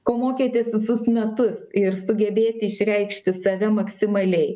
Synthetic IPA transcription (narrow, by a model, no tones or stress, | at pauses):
koːmoːkʲeːt̪ʲeːsʋʲɪsʊsmʲɛt̪ʊsɪɾsʊɡʲɛbʲeːt̪ʲɪɪʃʲɾʲɛɪkʃʲt̪ʲɪsɐʋʲɛmɐksʲɪmɐlʲɛɪ